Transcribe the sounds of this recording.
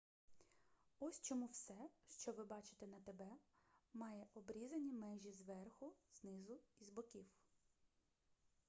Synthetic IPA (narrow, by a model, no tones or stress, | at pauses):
ɔsʲt͡ʃɔmuwsɛʃt͡ʃɔʋɪbɑt͡ʃɪ̥t̪enɐt̪ebɛmɑjɛʔɔbɾʲizɐnʲimɛʒʲizʋɛrxʊznɪzʊizbɔkʲiw